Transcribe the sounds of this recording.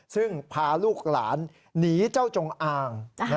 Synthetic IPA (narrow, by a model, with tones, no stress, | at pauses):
sɯ˥˩ŋpʰaː˧luː˥˩k̚la̰ː˩˦nː | iː˩˦t͡ɕa˥˩wt͡ɕo˧ŋʔaː˧ŋn˦